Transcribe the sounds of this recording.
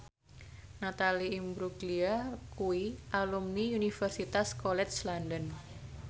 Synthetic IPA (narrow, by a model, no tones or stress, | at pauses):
nat̪aliimbɾukliakuiʔalumniunifərsit̪askolɛt̪slandən